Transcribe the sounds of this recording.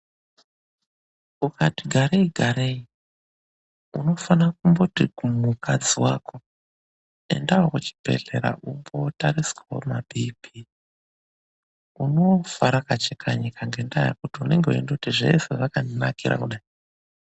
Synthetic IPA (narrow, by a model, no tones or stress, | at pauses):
ukʰatiɡʱaɾeiɡʱaɾei | uno̞fanak̚umbo̞tiumukʰad͡ziwako̞ | e̞̰ndawokot͡ʃi̥bʱe̞̰ɮe̞̰ɾa̰ʔumbo̞taɾiswawo̰mabipi | uno̞faɾakat͡ʃekʰaɲikʰaŋɡe̞ndaja̰kutiune̞ŋɡeuḛndekutiʐe̞̰seʋakanakiɾʔa̰kuɗai